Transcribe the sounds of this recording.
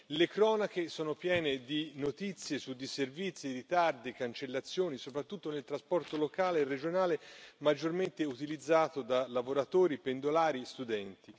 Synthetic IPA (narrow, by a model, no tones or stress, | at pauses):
lekɾɔːnak̟esɔːnopjɛːned̪inot̪it̪sːjesud̪ːiservit̪sjiɾit̪ard̪ikant͡ʃelːat̪sːjoːnisopɾat̪ːut̪ːonelt̪ɾaspɔrt̪olokaːleːrːed͡ʒonaːlemad͡ʒːorment̪eut̪ilid̪zːaːt̪od̪alavoɾat̪oːɾipend̪olaːɾist̪ud̪ɛnt̪i